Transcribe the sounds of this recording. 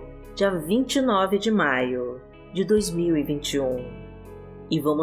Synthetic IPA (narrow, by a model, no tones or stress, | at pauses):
d͡ʒiɐvĩnt͡ʃinɔvɪd͡ʒɪmajʊ | d͡ʒɪd̪ojzmiwɪvĩnt͡ʃiũ | ɪvɐ̃mʊ